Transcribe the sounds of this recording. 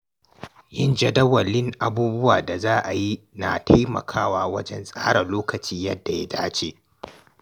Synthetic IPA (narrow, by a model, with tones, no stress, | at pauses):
jɪ˦nd͡ʒɐ˨dɐ˦wɐ˨lːɪ˦ŋʔa˨buː˦bʊ˦waː˨da˨zaː˦ʔa˨ji˦na˨tʰa˦jmɐ̰˨kʰaː˦waː˦wɐ˦d͡ʒɛ˦nsʼaː˦ɽɐ˨loː˦kɐ˨t͡ʃiː˦jɐ˦dːa˨ja˦daː˦t͡ʃeː˦